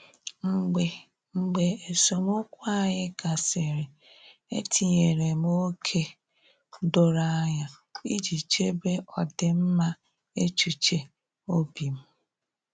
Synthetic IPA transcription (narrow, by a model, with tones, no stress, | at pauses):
ɡ͡be˨ | ŋ͡m̩˨ɡ͡be˨e˨so˨mʊ˦kʷa˦˨ɲɪ˦ka˨se˨ɾe˨ | ḛ˦tʰi˨ɲe˨ɾe˨m˦o˦kʰe˦ | do˨ɾa˦a˦ɲa˨ | i˦d͡ʒi˨t͡ʃe˦be˦ɔ˨dɪ˨m̩˦ma˦ | e˦t͡ʃu˨t͡ʃe˨ | o˦bi˨m̩˦